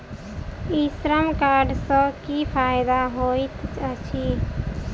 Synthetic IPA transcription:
isɾəmkaːɖsəkipʰaːjd̪aɦoit̪ət͡ʃʰi

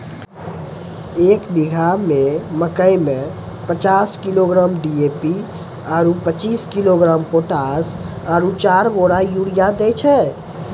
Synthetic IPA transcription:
eːkbiɡʱameməkəjme | pət͡ʃaskiloɡɾamɖiepi | ɔːɾupət͡ʃiskiloɡɾampoʈas | ɔːɾut͡ʃaɾboɾajuɽijad̪ɛt͡ʃʰɛ

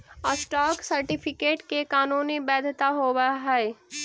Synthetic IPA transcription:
əsʈɔːksɐɾʈɪpʰɪkeːʈkekaːnuːnibɛːd̪ʱt̪aɦoːwaɦɛe

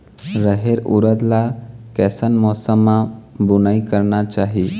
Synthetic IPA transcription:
ɾəɦeɾṵɾəd̪lakɛːsənmɔːsəmːãbʊnaikəɾnat͡ʃaːɦi

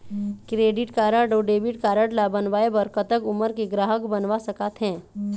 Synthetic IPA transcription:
kɾeːɖɪʈkaːɾəɽɖoɖeːbɪʈkaːɾəɽlabənʋaːebəɾkət̪əkʊməɾkiɡɾaːɦəkbənʋasəkat̪ɦɛ̃ː

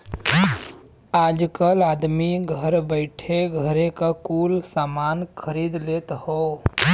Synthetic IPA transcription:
aːd͡ʒkəlaːd̪miɡʱəɾbəɪʈʰeɡʱəɾekakuːlsaːmaːnkʰəɾid̪leːt̪ho

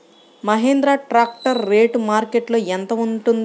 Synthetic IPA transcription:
mɐɦeːnd̪ɾaːʈɾaːk̚ʈɐɾːeːʈmaːɾkeʈlo̞ːent̪ɐʋuɳʈund̪

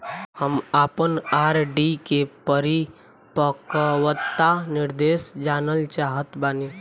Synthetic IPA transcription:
həmaːpənaːɾɖikepəɾi | pəkwət̪ːanɪɾd̪eːsd͡ʒaːnəlt͡ʃaɦət̪baːni

